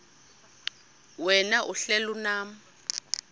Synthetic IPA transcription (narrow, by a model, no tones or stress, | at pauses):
wɛnaʔuɬɛlunaːm̩